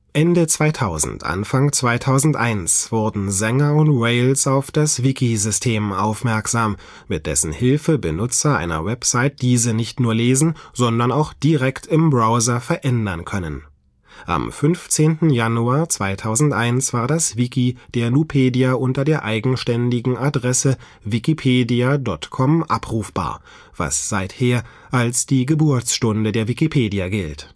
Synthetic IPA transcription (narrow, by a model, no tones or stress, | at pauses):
ʔɛndət͡sv̥aɪtʰaʊzn̩tʔa̰nfaŋt͡sv̥aɪtʰaʊzn̩tʔa̰ɪnsv̥ʊɐdn̩zɛŋɐʊntʁɛɪlsaʊfd̥asv̥ɪkizʏstʰeːmʔa̰ʊfmɛɐkz̥aːmː | ɪt̚d̥ɛ̰sn̩hɪlfəbənʊt͡sɐʔa̰ɪnɐ̰vɛpz̥aɪt̚d̥iːzənɪçtnuːɐleːzn̩z̥ɔndɐnaʊxd̥iʁɛktʰɪmbʁaʊzɐfɛɐʔɛndɐnkʰœnən | ʔa̰mfʏnft͡seːntn̩januaːɐt͡sv̥aɪtʰaʊzn̩tʔaɪnsv̥aːɐdasv̥ikid̥eːɐnupʰeːdiaʔʊntɐdeːɐʔaɪɡŋ̩ʃtɛndɪɡŋ̩ʔadʁɛsə | vikipʰeːdiadɔtkʰɔmʔapʁ̥uːfb̥a̰ːɐ | v̥a̰sz̥aɪtheːɐ | ʔalsd̥iːɡəbʊɐt͡sʃtʊndədeːɐvikipʰeːdiaɡɪlt